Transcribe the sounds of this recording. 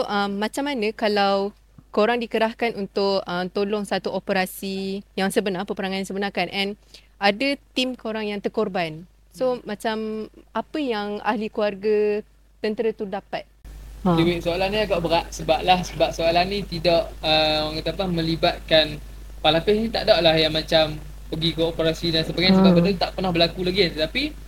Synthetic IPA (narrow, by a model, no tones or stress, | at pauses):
oʔəmːãt͡ʃamanəkalaw | koɾaŋdikəɾahkanʔunt̪ʊkəmt̪olɔŋsat̪uʔopəɾasijaŋsəbənarpəpəɾaŋanansəbənarkanʔɛn | ʔadət̪imkoɾaŋjaŋt̪ərkorban | somat͡ʃamapəjaŋa̰hlikuarɡə | t̪ənt̪əɾət̪udapat̪̚iwɪʔsoalanĩaɡaʔbəɾaʔsəbap̚lahsəbap̚soalanĩt̪idɔʔəaŋkat̪apamə̃libat̪̚kan | palapɪsnĩt̪a̰ʔdaʔlahjaŋmat͡ʃam | pəɡikəopəɾasidansəbaɡajnisəbaʔbədəut̪aʔpərnɔhbəlakulaɡit̪ət̪api